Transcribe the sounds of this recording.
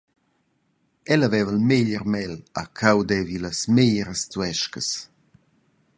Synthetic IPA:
ɛlavɛvəlmeʎəɾmɛlakʰawd̪ɛviləsmejɾəst͡swɛʃkəs

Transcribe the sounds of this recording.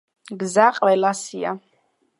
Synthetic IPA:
ɡzaqʼvɛlasia̰

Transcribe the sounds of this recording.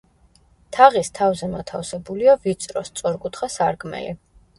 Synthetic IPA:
t̪ʰaʁist̪ʰavzɛmat̪ʰafsɛbuliavit̪sʼɾɔst̪sʼɔɾkʼut̪ʰχasaɾkmɛ̰lḭ

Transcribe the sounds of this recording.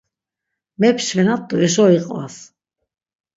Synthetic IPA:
mɛpʰʃvɛnat̪ːuɛʃ̬ɔiqʼva̰s

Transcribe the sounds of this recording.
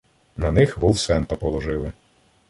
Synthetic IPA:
nɐnɪxbulˠsɛnt̪ɐpɔlˠɔʒɪlɪ

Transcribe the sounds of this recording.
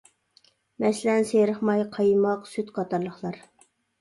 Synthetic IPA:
mɛslɛnseɾəχmɑjqʰɑjmɑqsyt̪qʰɑt̪ɑɾlˠəχlˠɑɾ

